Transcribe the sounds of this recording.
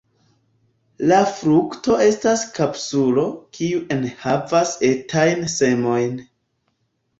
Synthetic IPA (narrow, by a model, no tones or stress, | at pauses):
lafɾukto̞e̞staskapsulo̞kʰiuʔe̞nhavasetʰajnse̞mo̞jn